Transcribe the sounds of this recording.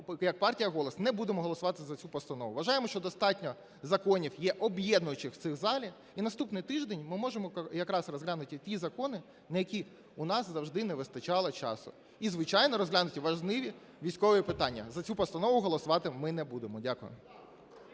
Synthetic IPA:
jɐk̚pɑrtʲijɐɦɔlˠɔsnɛbud̪emɔɦɔlˠɔsʊʋɑt̪ɪzɐt͡sʲupɔst̪ɐnɔʋʊʋɐʒɑjemɔʃt͡ʃɔd̪ɔst̪ɑtʲnʲɔ | zɐkɔnʲiwjɛʔɔbjɛd̪nʊjʊt͡ʃɪxt̪sɪxzɑlʲi | inɐst̪upnɪjt̪ɪʒd̪enʲmɪmɔʒemɔjɐkɾɑsrɔzɦlʲanʊt̪ʲɪt̪ʲizɐkɔnɪ | nɐjɐkʲi | uʊnɑszɐwʒd̪ɪnɛʋɪst̪ɐt͡ʃɑlˠɪt͡ʃɑ̰sʊ̰ | izʋɪt͡ʃɑjnɔɾɔzɦlʲanʊtʲɪʋɐʒnɪʋʲi | ʋʲijsʲkɔʋojipɪt̪ɑnʲːɐ̰zɐt͡sʲupɔst̪ɐnɔʋʊɦɔlˠɔsʊʋɑt̪ɪmɪnɛbud̪emɔdʲakʊjʊ̰

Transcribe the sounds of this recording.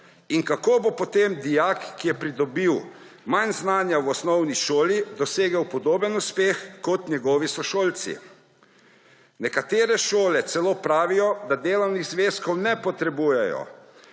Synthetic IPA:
inkakoːbopɔt̪emd̪ijakkːijɛpɾid̪ɔbiw | manznaːnjawɔsnɔwniʃoːlid̪ɔseːɡɛwpɔd̪oːbənuspeːxkɔt̪nʲɛɡɔːʋisɔʃoːlt̪sḭ | nɛkat̪eːɾɛʃoːlɛt̪sɛloːpɾaːʋijɔd̪ad̪eːlɔwniɣzʋeːskɔwnɛpɔt̪ɾɛbuːjɛjɔ̰

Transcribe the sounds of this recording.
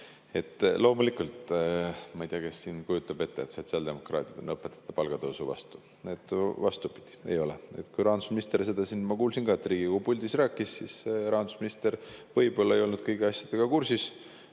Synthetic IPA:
e̞t̪ːˑlo̞ːmulikult̪ | mɑijt̪iɑkesːiːnkujut̪ːˑɑbe̞t̪ːeet̪so̞t̪siɑld̪e̞mo̞krɑ̰ːt̪ʲˑid̪̥enɤpːˑet̪ːˑɑ̥t̪ːˑɑpɑlɡ̥ɑd̪ɤwsuvɑ̰st̪u̥ | e̞t̪ːˑvɑst̪upid̪̥i̥e̞̰jo̞lee̞̰t̪kujɾɑːnd̪u̥sminist̪eɾs̬e̞d̪̥ɑsinmɑkuːlsinɡ̥ɑet̪ːriːɡ̥ikupulʲd̪isræːkːˑisːisɾɑːnd̪u̥sminist̪e̞rvɤjbo̞lːɑejo̞lnud̪̥̚kɤjɡiɑsʲjɑd̪̥eɡ̥ɑkursis

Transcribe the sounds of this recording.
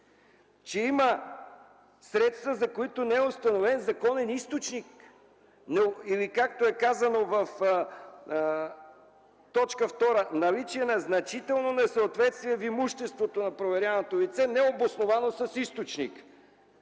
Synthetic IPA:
t͡ʃɛimə | sɾɛt̪st̪vəzɐkoit̪onɛɛʊst̪ɐnovɛnzɐkɔnɛnist̪ot͡ʃnik̚ | nɛilikak̚t̪oɛkazɐnovəf | t̪ɔt͡ʃkəft̪ɔɾənɐlit͡ʃiɛnɐznɐt͡ʃit̪ɛlˠnonɛsəːt̪vɛt̪st̪viɛvimuʃt̪ɛst̪vot̪onɐpɾovɛɾʲjanot̪olit̪sɛnɛobosnovanosɐsist̪ot͡ʃnḭk

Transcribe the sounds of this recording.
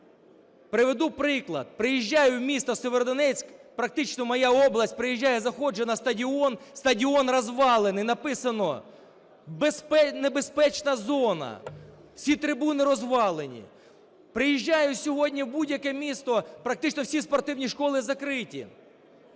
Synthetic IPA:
pɾɪʋed̪upɾɪklˠɐ̰t̪̚pɾɪjiʒʲːajʊwmʲist̪ɐseʋeɾd̪ɔnɛt͡sʲkpɾɐk̚t̪ɪt͡ʃnɔmɔjaɔblˠɐsʲt̚ʲpɾɪjiʒʲːajɛzɐxɔd͡ʒenɐst̪ɐdʲiɔnst̪ɐdʲiɔnrɐzʋɑlˠenɪjnɐpɪsɐnɔ | bespɛnebespɛt͡ʃnɐzɔnɐ̰ | w̥sʲit̪ɾɪbunɪɾɔzʋɑlˠenʲḭ | pɾɪjiʒʲːajʊsʲɔɦɔdʲnʲiwbudʲjɐkɛmʲist̪ɔpɾɐk̚t̪ɪt͡ʃnɔwsʲispɔrt̪ɪwnʲiʂkɔlˠɪzɐkɾɪtʲḭ

